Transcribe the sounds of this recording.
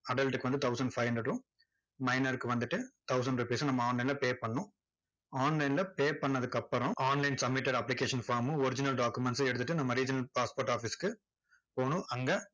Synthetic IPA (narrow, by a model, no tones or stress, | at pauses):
ɐɖɐlʈɯkːɯʋɐnd̪ɯt̪ʰɐʊsɐɳɖfɐɪʋɐndɾɐʈʊ̃ | mɐɪnɐɾɯkːɯʋɐnd̪ɯʈːɯt̪ɐʊsɐɳɖɾɪpiːsɯnɐmːɐaːnlɐɪnlɐpeːpɐɳːʊ̃ | aːnlɐɪnlɐpeːpɐɳːɐðɯkːɐpːɐɾʊ̃aːnlɐɪnsɐmːɪʈːɐɽɐpːlɪkeːʂɐnfaːɾmɯ̃ɔɾɪd͡ʒɪnɐlɖaːkːɯmɛɳʈsɐɛɽɯt̪ːɯʈːɯnɐmːɐɾiːd͡ʒɪnɐlpaːspoːɾʈːaːfiskːɯ | poːɳʊ̃ʔɐŋɡɐ